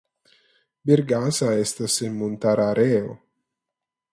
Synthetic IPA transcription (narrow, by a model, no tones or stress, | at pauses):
biɾɡasaɛst̪asemmunt̪aɾaɾeːo̰